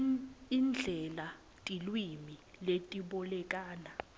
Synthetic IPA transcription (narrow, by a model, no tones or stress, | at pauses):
ind͡ɮʱɛla | tʼilwimiletʼiɓɔlɛkʼaːna